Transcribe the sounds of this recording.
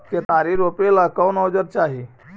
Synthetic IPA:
t̪jət̪aɾiɾopelakəwnɔd͡ʒəɾ̚t͡ʃaɦi

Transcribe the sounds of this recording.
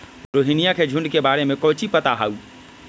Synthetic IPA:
ɾoɦinijakʰed͡ʒʱũɳɖkebaɾemẽkɔːt͡ʃipət̪aɦau

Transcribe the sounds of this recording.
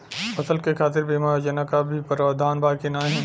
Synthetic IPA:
ɐsəlkekʰaːt̪̬ɪɾbeːmaːd͡ʒənakabʱipəɾaːd̪ʱaːnbaːkinaːɦĩː

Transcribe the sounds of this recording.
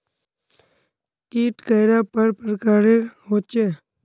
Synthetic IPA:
kiːʈkəjɾaːpəɾpəɾkaːɾeɦoːt͡ʃeː

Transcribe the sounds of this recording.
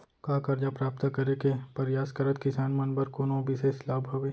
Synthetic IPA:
kaːkɐɾd͡ʒapɾaːpt̪akɐɾekepɐɾjaːskɐɾət̪kɪsaːnmɐnbəɾkonobʱiseslaːbʱoʋeː

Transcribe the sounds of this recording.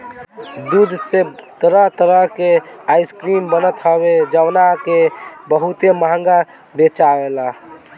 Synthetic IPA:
d̪ud̪ʱset̪əɾəɦt̪əɾəɦkeaiskɾimbənət̪ɦəbed͡ʒəwnakebəɦut̪eməɦəŋɡa | bet͡ʃaela

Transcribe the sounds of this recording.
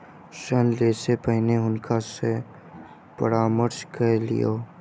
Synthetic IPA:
ʃənleːsepəɦneʊnkʰase | pə̰ɾaːməɾskəlḭjoː

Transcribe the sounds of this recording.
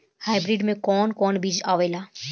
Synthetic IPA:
haːjbɾiɖmẽkɔnkɔnbid͡ʒaʋela

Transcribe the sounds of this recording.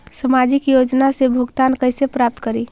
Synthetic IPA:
səmad͡ʒikjod͡ʒnasebʱuɡt̪ankəjsepɾap̚t̪kəɾi

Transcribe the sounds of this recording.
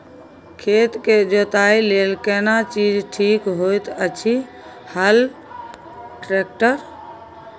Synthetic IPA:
kʰet̪ked͡ʒot̪ailelkɛnat͡ʃid͡ʒʈʰikɦojt̪ət͡ʃʰi | həl | ʈɾek̚ʈəɾ

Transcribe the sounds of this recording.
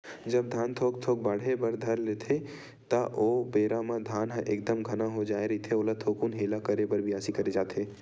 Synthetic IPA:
d͡ʒɐb̚d̪ʱaːnt̪ʰoːkt̪ʰoːk̚bəɽ̤ebəɾd̪ʱɐɾleːt̪ʰe | t̪aʔoːbeːɾamãd̪ʱaːnɦãʔeːk̚d̪əmɡʱɐnaɦod͡ʒaːeɾɐɦit̪ʰeoːlat̪ʰoːkunɦeːlakəɾebəɾbʱiaːsikɐɾed͡ʒaːt̪ʰeː

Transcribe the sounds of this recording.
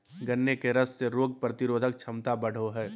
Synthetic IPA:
ɡənːekeɾəsːeɾoːɡ̚pɾət̪ɪɾoːd̪ʱək̚t͡ʃʰɐmt̪abɐɽ̤oɦɛː

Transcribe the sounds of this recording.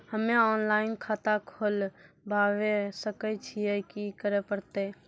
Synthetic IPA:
həmeɔːnlaːɪnkʰaːt̪akʰol | bʱaːwesəkət͡ʃʰiekikəɾepəɾt̪e

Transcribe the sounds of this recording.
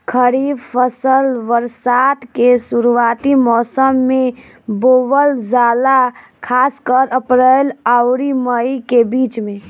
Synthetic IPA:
kʰəɾibpʰəsəlʋəɾsaːt̪kesuɾuat̪imɔːsəmːe | boːʋəld͡ʒaːla | kʰaːskəɾəpɾəlaʊɾiməikebiːt͡ʃmẽ

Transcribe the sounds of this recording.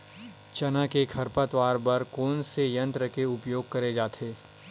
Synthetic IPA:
t͡ʃɐnakekʰɐɾpət̪ʋaːɾbɐɾkoːnsejɐ̃nt̪ɾəkeʊpjoːɡ̚kɐɾed͡ʒaːt̪ʰeː

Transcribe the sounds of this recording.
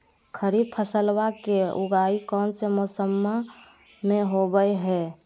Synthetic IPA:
kʰəɾib̚pʰəsəlwakeʊɡaːikɔːnsemosəmːa | mẽɦobəjɦɛ

